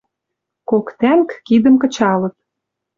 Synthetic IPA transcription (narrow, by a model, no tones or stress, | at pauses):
kokt̪æŋkkid̪ə̆mkɤ̆t͡ɕɑlə̆t̪̚